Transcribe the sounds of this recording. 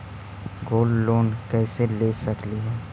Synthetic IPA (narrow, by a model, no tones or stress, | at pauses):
ɡoːlːoːnkɛːselesɐkliɦɛː